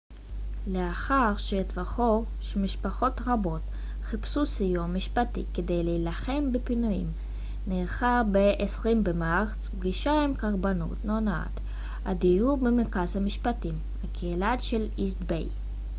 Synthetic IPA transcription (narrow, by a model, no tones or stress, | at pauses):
leaχaʁʃetvaχo | ʃemiʃpaχo̞tʁabo̞t | χipsusijomːiʃpatḭkede̞jleilaχe̞mbepinujḭm | neʁχabeʔesʁimbemaaʁt͡sbɡiʃaemkaʁbanṵtnona̰t̪ | ʔadiubemekazhamiʃpatim | hakʰeilatʃelisdbḛj